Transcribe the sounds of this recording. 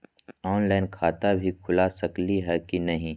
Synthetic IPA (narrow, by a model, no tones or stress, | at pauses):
ɔːnlaːɪnkʰaːt̪abʱikʰʊlaːsɐkliɦɛkinɐɦĩː